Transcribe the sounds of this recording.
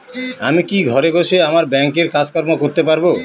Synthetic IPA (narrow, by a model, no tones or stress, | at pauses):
amikiɡʱɔɾeboʃeamaɾbɛŋkeɾkad͡ʑkɔɾmokoɾt̪epaɾbo